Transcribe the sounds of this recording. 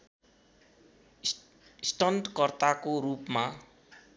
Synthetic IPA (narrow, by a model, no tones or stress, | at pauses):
sʈʌnʈkʌrt̪akoɾupma